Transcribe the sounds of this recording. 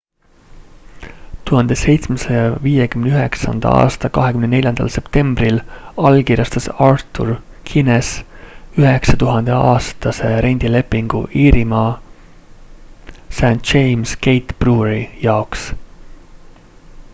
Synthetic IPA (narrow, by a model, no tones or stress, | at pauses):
t̪uɦɑnd̪̥e̞se̞jt̪smesejɑviːjekymneyɦe̞ksɑ̰nd̪̥ɑ̰ɑ̰ːst̪ɑkɑɦe̞kymne̞ne̞lʲjɑnd̪ɑ̰lse̞pt̪e̞mbrilɑlkiːɾjɑst̪ɑsɑrt̪ːˑṵr | kʰinesyɦe̞ksɑt̪uɦɑnd̪̥e̞ɑːst̪ɑse̞ɾe̞nʲd̪̥ile̞pːiŋɡ̥ṵʔiːɾimɑː | sænt̪t͡ʃe̞jmske̞jt̪b̥ruɾijɑoks